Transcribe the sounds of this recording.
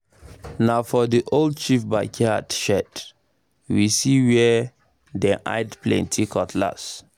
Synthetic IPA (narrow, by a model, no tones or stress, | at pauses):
nafɔdiʔold̚t͡ʃifba̰kʰiatʃɛd | wisiwɛ | dɛ̃ʔa̰ɪdplɛ̰̃ntʰikʰɔtʰla̰s